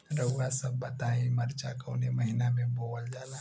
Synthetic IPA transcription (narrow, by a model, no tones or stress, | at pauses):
ɾəʊwasəbːɐt̪aːĩmɐɾt͡ʃakəʊneməɦɪnamẽboːld͡ʒaːla